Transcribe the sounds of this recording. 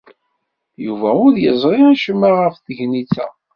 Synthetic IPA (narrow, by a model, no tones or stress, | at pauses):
juvæʊðjəzˤɾˤiæʃəmːəɾʁəfθəʝniθæ̰